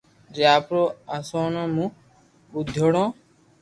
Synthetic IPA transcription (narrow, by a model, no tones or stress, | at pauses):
d͡ʒaːpɾoːasoːnõːmũː | bud̪ʱːoɽõː